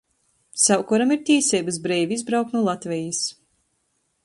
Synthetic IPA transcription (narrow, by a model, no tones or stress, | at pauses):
sawkɔɾamiɾt̪ʲiːsʲɛːbas̬bɾɛːvʲiizbɾawk̚t̪nuɔlˠat̪vʲɛjis